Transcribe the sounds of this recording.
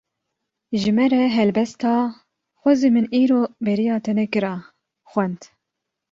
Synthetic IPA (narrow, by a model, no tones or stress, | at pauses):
ʒɨmɛɾɛɦɛlbɛst̪ɑː | xʷɔzimɨniːɾoːbɛɾijɑːt̪ʰɛnɛkɨɾɑː | xʷɛnd̪